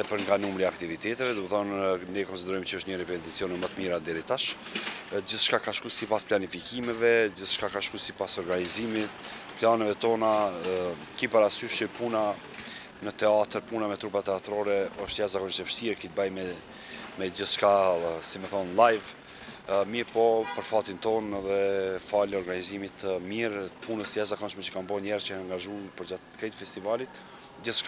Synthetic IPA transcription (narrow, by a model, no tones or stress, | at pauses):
ɛpəɾŋɡanumɾiakt̪ivit̪ɛt̪ɛvɛd̪umɛθɔnnɛkɔnsid̪ɛɾɔjmt͡ɕəəʃt̪ɲəɾipɛt̪it͡siɔnɛmət̪əmiɾad̪ɛɾit̪aʃ | d͡ʑiθʃkakaʃkusipasplanifikimɛvɛd͡ʑiθʃkakaʃkusipasɔɾɡanizimit̪planɛvɛt̪ɔna | kipaɾasyʃipuna | nət̪ɛat̪əɾpunamɛt̪ɾupat̪ɛat̪ɾɔɾɛɔʃt̪jazakɔnʃɛvəʃt̪iɾkit̪̚bajmɛ | mɛd͡ʑəθt͡ʃkasimɛθɔnlajv | miɾpɔpəɾfat̪int̪ɔnɛðɛfalɔɾɡanizimit̪miɾpʰunəsjazakɔnʃmɛt͡ʃə̥kanbɔnɛɾt͡ʃəanaŋɡaʒupəɾd͡ʑat̪kɾɛt̪fɛst̪ivalit̪ | d͡ʑəθt͡ʃka